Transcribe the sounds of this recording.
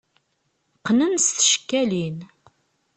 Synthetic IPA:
qːnənsθə̥ʃə̥kːælin

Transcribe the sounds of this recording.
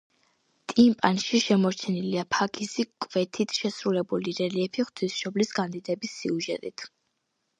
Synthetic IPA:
t̪ʼimpʼanʃiʃɛmɔɾt͡ʃʰɛniliapʰaɡisikʼvɛt̪ʰit̪ʰʃɛsɾulɛbuliɾɛliɛpʰiχt̪ʰwisʃɔblisɡand̪id̪ɛbisːiuʒɛt̪ʼit̪ʰ

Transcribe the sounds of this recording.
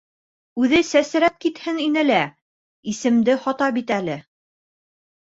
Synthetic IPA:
ʉðɘsæs̆ɾæp̚kit̪hɘŋinɘlæ | isɘ̆md̪ɘhɑt̪ɑbit̪ælɘ

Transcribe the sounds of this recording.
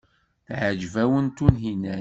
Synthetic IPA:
θʕəd͡ʒvæwənt̪unɦinæ

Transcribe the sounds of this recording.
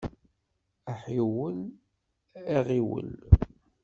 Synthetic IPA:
aħiwəl | iʁiwə̰l

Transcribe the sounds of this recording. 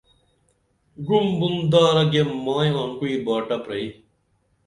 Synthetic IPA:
ɡumbund̪aːɾɐɡemaːjaːŋkuiːɾbaːʈɐpɾɐi

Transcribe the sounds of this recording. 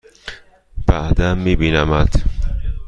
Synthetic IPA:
b̥æd̪æmːiːbiːnæmæd̪̥

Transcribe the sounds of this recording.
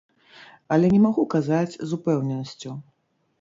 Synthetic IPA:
ɐlʲɛnʲɛmaɣukazat͡sʲzupɛwnʲɛnɐsʲt͡sʲu

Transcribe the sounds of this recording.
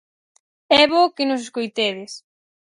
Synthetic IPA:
ɛβokɪnʊs̬eskojt̪eðɪs

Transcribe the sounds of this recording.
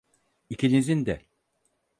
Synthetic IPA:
icʰinizind̪ɛ

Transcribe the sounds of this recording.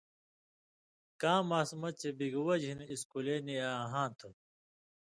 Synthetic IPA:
kãːmaːsmɐt͡ɕʰebiɡwɐd͡ʑɦiniskuleːnijaːɦãːt̪ʰu

